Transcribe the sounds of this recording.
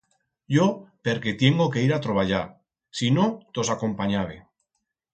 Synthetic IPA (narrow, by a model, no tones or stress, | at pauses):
ɟ͡ʝo̞pe̞ɾke̞t̪je̞ŋɡoke̞iɾat̪ɾo̞βaʎaɾ | sino̞t̪o̞sako̞mpaɲaβe